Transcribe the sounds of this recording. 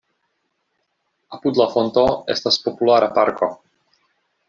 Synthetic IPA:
apud̪lafont̪oḛstaspo̞pulaɾapaɾko

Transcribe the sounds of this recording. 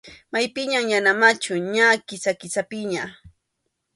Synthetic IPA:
majpɪɲaŋjanamat͡ʃʊɲakɪsakɪsapɪɲa

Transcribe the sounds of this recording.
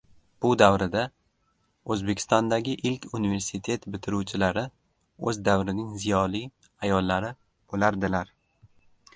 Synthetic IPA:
b̥ʊd̪avɾɪd̪a | ɵzbe̞kʲʰɪst̪ɒnd̪aɡʲɪʔɪlkʲʰunive̞ɾsɪt̪ʰe̞t̪bɪt̪ʰɪɾuwt͡ʃʰɪlaɾɪ | ɵzd̪avɾɪnɪŋzɪjɒlij | ajɒlˠːaɾɪ | b̥olaɾd̪ɪlaɾ

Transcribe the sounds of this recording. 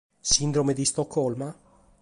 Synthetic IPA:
sind̪ɾomed̪ist̪okʰːɔlma

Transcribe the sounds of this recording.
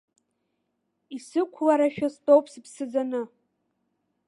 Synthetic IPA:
isɨkʷʰlaɾaʃᶣastʼowpʰspʰsɨd͡zanɨ

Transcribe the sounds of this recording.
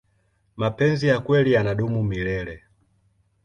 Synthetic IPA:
mapɛnzijakwɛlianaɗumumilɛlɛ

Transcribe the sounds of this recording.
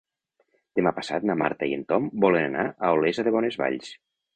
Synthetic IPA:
d̪̥emapasat̪nama̰ɾt̪aient̪ɔmbɔlenana̰ʔəolezaðeβɔnezβa̰ʎs

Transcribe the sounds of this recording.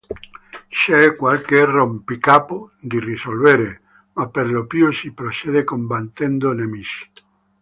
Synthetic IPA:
ʃɛkwalkerompikapod̪irisolveɾe | mapːeɾlopjusipɾot͡ʃeðekombant̪ːɛnd̪onemisi̥

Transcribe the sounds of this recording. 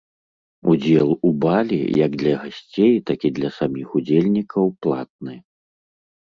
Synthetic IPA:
ud͡zʲɛlˠubalʲḭjɐɡd̪lʲɐɣasʲt͡sʲejt̪akʲid̪lʲɐsamʲixud͡zʲelʲnʲikɐwplˠa̰t̪̚nɨ

